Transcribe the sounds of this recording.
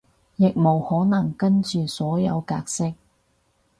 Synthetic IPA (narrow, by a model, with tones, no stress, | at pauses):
jɪ˨k̚mo˨˩whɔː˨˥nɐ˨˩ŋkɐ˥nt͡ʃyː˨˧sɔː˨˥jɐ˨˧wkaː˧k̚sɪ˥k̚